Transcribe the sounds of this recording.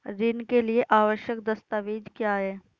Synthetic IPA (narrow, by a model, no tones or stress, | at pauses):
ɾɪnkelieʔaːʋəʃjək̚d̪ɐst̪aːʋiːd͡ʒkjaːɦɛː